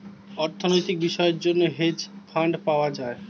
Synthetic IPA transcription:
ɔɾt̪ʰonojt̪ik̚biʃɔeeɾd͡ʑonːoɦed͡ʑfʰaɳɖpaoad͡ʑae

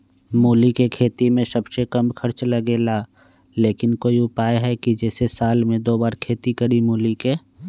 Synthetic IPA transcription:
moːlikekʰeːt̪imẽsɐbʃekɐmkʰɐɾt͡ʃlɐɡeːla | leːkɪnkoːiʊpaːeɦɛkid͡ʒɛːsesaːlmẽd̪oːbaːɾkʰeːt̪ikɐɾimoːlike

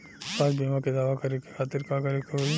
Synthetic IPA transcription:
saːd͡ʒbeːmãked̪aːʋakɐɾekʰekʰaːt̪ɪɾkakɐɾekʰeo

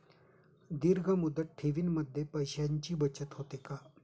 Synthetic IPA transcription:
d̪iɾɡʱamud̪ət̪̚ʈʰeʋiːnməd̪ʱːjepəjɕjaɲt͡ɕiːbət͡ɕət̪ɦot̪eka

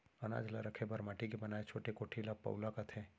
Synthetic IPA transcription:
ɐna̰ːd͡ʒlaɾɐkʰebɐɾmaːʈikebɐnaːet͡ʃʰoːʈekoːʈʰilapɐ̰wlakɐt̪ʰe

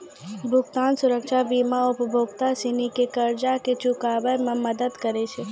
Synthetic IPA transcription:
bʱʊɡt̪aːnsʊɾəkʃabiːmaʊpbʱoːɡt̪asinikekɐɾd͡ʒaket͡ʃʊkaːʋəɾmẽmɐd̪əd̪kəɾet͡ʃʰe

